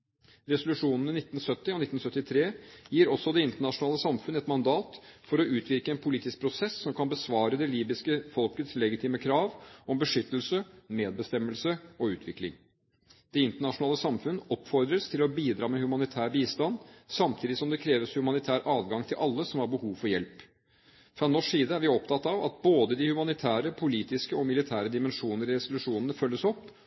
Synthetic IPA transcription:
ɾɛsʊlʉʂuːnən̩ɪnɪt̪ːn̩sœt̪ːɪɔnɪt̪ːn̩sœt̪ːɪt̪ʰɾeːjiːɾɔsːɔd̪ɛɪnt̪əɳɑʂʊnɑːləsɑmfʉnɛt̪mɑnd̪ɑːt̪fɔɾɔʉːt̪ʰʋɪɾkəɛːnpʰʊliːt̪ɪsk̚pʰɾʊsɛsːɔmkʰɑnbəsʋɑːɾəd̪ɛliːbɪskəfɔlkət̪slɛɡɪt̪ʰiːməkʰɾɑːʋɔmbəʂʏt̪ːlsəmeːd̪̚bəst̪ɛmːəlsəɔʉːt̪ʰʋɪklɪ̰ŋ | d̪̥ɛɪnt̪əɳɑʂʊnɑːləsɑmfʉnːəɔpːfɔɾd̪ɾəst̪ʰɪlɔbiːd̪ɾɑːmɛhʉmɑnɪt̪ʰæːɾbiːst̪ɑnsɑmt̪ʰiːd̪ɪsɔmd̪ɛkʰɾeːʋəshʉmɑnɪt̪ʰæːɾʔɑːʋɡɑŋt̪ʰɪlʔɑlːəsɔmhɑɾbəhuːʋfɔɾjɛlp | fɾɑnɔʂiːd̪əæɾʋɪɔpt̪ɑt̪ːɑʋɑ̰t̪̚boːd̪əd̪ɪhʉmɑnɪt̪ʰæːɾəpʰʊliːt̪ɪskəɔmɪlɪt̪ʰæːɾəd̪ɪmɛnʂuːnəɾɪɾɛsʊlʉʂuːnənəfœlːəsɔpː

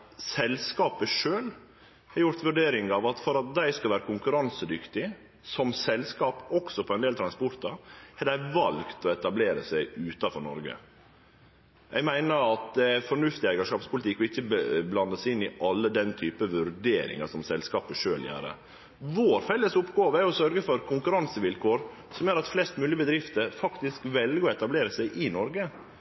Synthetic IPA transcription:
sɛlskɑːpəʂøːl | hɑɾjʊɾt̪ʋʉɖeːɾɪŋɑʋɑt̪fɔɾɑt̪̚d̪æɪskɑlʋæːɾəkʰʊŋkʉɾɑnsəd̪ʏkt̪ɪ | sɔmsɛlskɑːpɔksɔpʰɔɛnd̪eːlt̪ʰɾɑnspɔɾt̪ɑhɛd̪æɪʋɑlɡt̪ɔɛt̪ɑbleːɾəsæɪʉːt̪ɑfɔɾnɔ̰ɾɡə̰ | ʔɛɡmæɪnəɾɑt̪̚d̪ɛæfɔɳʉft̪ɪæɪɡəʂkɑːpspʰʊlɪt̪ʰɪkːɔɪçːəbblɑnd̪əsɪnːɪʔɑlːəd̪ɛnt̪ʰyːpəʋʉɾd̪eːɾɪ̰ŋɑsɔmsɛlskɑːpəʂøːljæ̰ːɾə̰ | ʋoːɾfɛlːəsʊpːɡɑːʋəæɾjʊsœɾɡəfɔɾkʰʊŋkʉɾɑnsəʋɪlkʰoːɾ | sɔmjøːɾɑt̪flɛst̪mʉːlɪəbəd̪ɾɪft̪əɾfɑkt̪ɪskʋɛlɡəɔɛt̪ɑbleːɾəsæɪʔɪnɔɾɡə

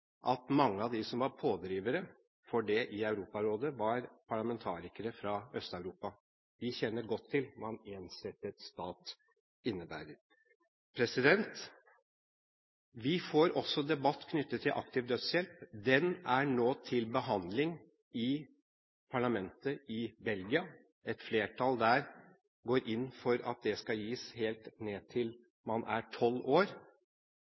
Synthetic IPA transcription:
ʔɑt̪mɑŋːəɑʋd̪ɪsɔmʋɑɾpʰoːd̪ɾiːʋəɾə | fɔɖɛʔɪɑʉɾuːpɑɾoːd̪əʋɑɾpʰɑɭɑmɛnt̪ʰɑːɾɪkəɾəfɾɑœst̪ɑʉɾuːpɑ | d̪ɪçɛnːəɾɡɔt̪ʰːɪlmɑneːnsɛt̪ːət̪st̪ɑːt̪ | ɪnːəbæ̰ːɾəɾ | pʰɾɛsɪd̪ɛnt̪ | ʋɪfoːɾɔsːɔd̪ɛbɑt̪ːkʰnʏt̪ːət̪ʰːɪlʔɑ̰kt̪ɪːʋd̪œt̪sjɛlpd̪ɛnæɳoːt̪ʰɪlbəɦɑnd̪lɪŋ | ɪ | pʰɑɭɑmɛnt̪əɪbɛlɡɪɑ | ɛt̪fleːʈʰɑld̪æːɾ | ɡoːɾʔɪnːfɔɾɑ̰t̪̚d̪ɛskɑjiːsheːlt̪neːt̪ʰɪl | mɑnʔæ̰ʈʰɔloːɾ

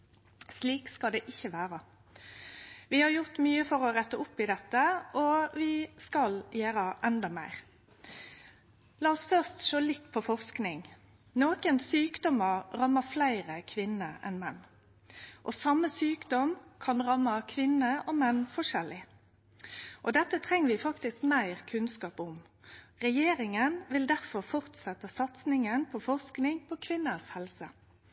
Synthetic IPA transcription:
sliːkskɑld̪ɛːʔɪçːəʋæːʁɑ | ʋɪhɑɾjʊʁt̪myːəfɔʁɔʁɛt̪ːəʊpːɪd̪ɛt̪ːəʔɔʋɪskɑljæːɾəʔɛnd̪ɑmæ̰ɪʁ | lɑːɔsfœʁst̪ʃoːlɪt̪ːpʰɔfɔʁsknɪŋ | noːkənsyːkd̪ɔməʁʁɑmːəflæɪʁəkʰʋɪnəʔɛ̰nmɛnː | ʔɔsɑmːəsyːkd̪ɔmkʰɑnʁɑmːɑkʰʋɪnəʔɔːmɛnːfɔʂɛlɪ | ʔɔd̪ɛt̪ːət̪ʰʁɛŋːəʋɪfɑkt̪ɪskmæɪʁkʰʉnskɑːpʊm | ʁɛjeːɾɪŋənʋɪld̪æʁfɔʁfɔʁt̪sɛt̪ːəsɑt̪snɪŋənpʰɔfɔʁsknɪŋpʰɔkʰʋɪnːəshɛlsə

